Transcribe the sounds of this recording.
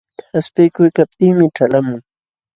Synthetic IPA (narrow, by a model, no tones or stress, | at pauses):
haspɪjkʊjkap̚t̪ɪŋmɪʈ͡ʂalamʊŋ